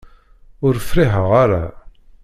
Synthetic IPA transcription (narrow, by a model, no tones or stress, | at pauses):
ʊɾfɾiɦəʁaɾa̰